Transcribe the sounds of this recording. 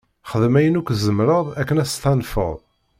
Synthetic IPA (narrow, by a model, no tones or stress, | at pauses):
χəðmæjənukʷːzəmɾəðˤækːənæst̪ænfə̰ðˤ